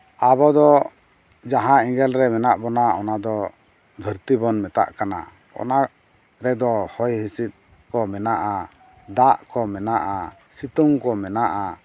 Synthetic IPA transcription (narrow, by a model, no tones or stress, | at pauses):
abɔd̪ɔ | d͡ʒaɦãĩŋɡɛlɾɛmɛnaʔbɔnaɔ̰nad̪ɔ | d̪ʱəɾt̪ibɔnmɛt̪a̰ʔkana̰ | ɔ̰na | ɾɛd̪ɔhɔjɦisit̪̚ | kɔmɛnaʔa | d̪aʔkɔmɛnaʔa | sit̪uŋkɔmɛnaʔa